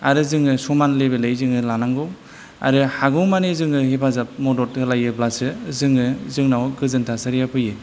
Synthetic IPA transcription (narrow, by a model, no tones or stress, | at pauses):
aɾɯzɯŋɯsɔmanlebelejzɯŋɯlanaŋɡɔ | a̰ɾɯhaɡɯwmanezɯŋɯɦepʰazap̚mɔdɔt̚ɡɯlajɯblasɯzɯŋɯzɯŋnawɡɯzɯntʰasaɾijapʰɯje